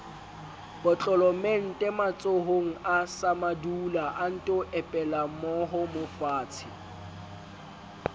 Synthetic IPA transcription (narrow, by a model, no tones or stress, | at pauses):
b̥ɔt͡ɬʼɔlɔmen̩tʼɛmat͡sʼoɦoŋ̩asamadulaʔan̩tʼɔʔɛpʼɛlamɔɦɔmofaːt͡sʰɪ